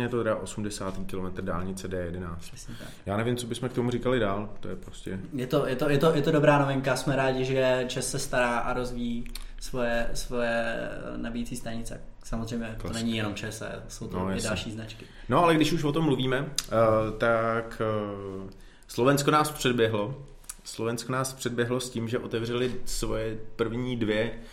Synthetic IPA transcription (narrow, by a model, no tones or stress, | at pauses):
ɛjɛt̪ot̪ɛɾɛaʔosumdɛsaːt̪iːkɪlomɛt̪r̩da̰ːlɲɪt͡sɛdɛːjɛdɛnaːt͡stɛsɲɛa̰kjaːnɛvimt͡sobɪsmɛkt̪omurikalɪdaːlt̪ojɛpɾoscɛjɛt̪o̞jɛt̪ojɛt̪o̞jɛt̪o̞dobɾaːnovɪŋkasmɛɾaːɟɪʒɛt͡ʃɛsːɛst̪aɾaːʔaɾo̞zvijiːsvo̞jɛsvo̞jɛnabijit͡siːst̪ajɲɪt͡sɛ | samozrɛjmɲɛt̪onɛɲɪjɛno̞mt͡ʃɛsɛ̰so̞wt̪ojaɪsdlʃiːznat͡ʃkɪ | noalɛɡdɪʃuʃvot̪omːluviːmɛ | t̪ak | slo̞vɛnskonaːspr̥ɛdbjɛɦlo̞ | slovɛnskonaːspr̝̥ɛdbjɛɦlo̞sciːmʒɛʔo̞t̪ɛvr̝ɛlɪsvojɛpr̩vɲiːdvjɛ